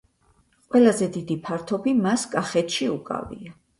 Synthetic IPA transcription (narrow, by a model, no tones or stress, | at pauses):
qʼwɛlˠazɛd̪id̪ipʰaɾt̪ʰɔbimaskʼaχɛt̪ʰʃiukʼa̰vḭa